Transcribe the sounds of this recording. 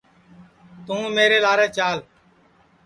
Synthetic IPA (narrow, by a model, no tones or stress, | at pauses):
t̪ũːmeːɾeːlaːɾẽːt͡ʃaːl